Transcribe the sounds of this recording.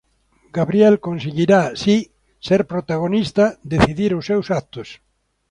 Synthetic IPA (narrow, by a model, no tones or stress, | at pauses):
ɡ̥aβɾjɛlkonseɣiɾasi | seɾpɾot̪aɣ̞onist̪ɐd̪eθiðiɾʊsːewsak̚t̪ʊs